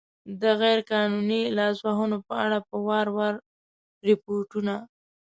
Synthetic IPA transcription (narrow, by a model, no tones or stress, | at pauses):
d̪əɣajɾkɑnunilɑsbaɦunopəaɽapəwɑɾwaɾ | ɾɪpoɾʈuna